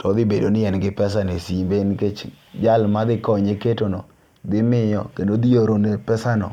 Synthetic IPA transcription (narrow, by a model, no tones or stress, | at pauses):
tɔd̪ɪbedonɪjɛnɡɪpɛsanesimbenket͡ʃd͡ʒalmad̪ɪkɔɲeketonɔ | d̪ɪmɪjɔkendod̪ijoɾonepɛsanɔ̰